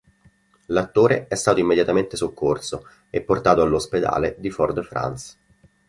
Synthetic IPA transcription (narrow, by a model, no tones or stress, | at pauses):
lat̪ːoːɾeɛst̪aːt̪oimːed̪jat̪ament̪esokʰːorso | epːort̪aːt̪oalːosped̪a̰ːled̪iford̪fɾa̰ns